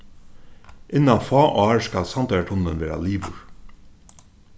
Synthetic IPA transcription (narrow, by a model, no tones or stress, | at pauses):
ʔɪnːɑnfɑːʔoɑːɹskɑlsɑnt̪ɑəʈʰʊnənʋeːɾɑ̰liːʋʊɹ